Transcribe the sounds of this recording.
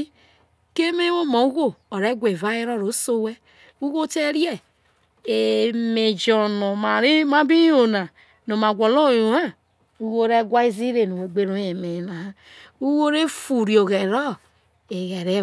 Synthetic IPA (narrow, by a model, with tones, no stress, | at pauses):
ke˦me˦wo˦ma˨u˦ɣo˦o˨ɾe˦ɡʷe˨va˦e˦ɾo˦˨ɾo˨˦so˦we˦ | u˦ɣo˦te˦ɾi˦e˦ | e˨me˨d͡ʒo˨no˨ma˨ɾma˦bi˦jo˨na˨ | no˨ma˨ɡʷo˨lo˦˨jo˨ha˦ | u˦ɣo˦ɾe˦ɡʷa˦i˦zi˦ɾe˨no˨we˨ɡ͡be˦ɾo˦e˨me˨na˨ha˦ | u˦wo˦ɾe˦fu˨ɾi˨o˨ɣe˨ɾɔ˦ | e˨ɣe˨ɾe˦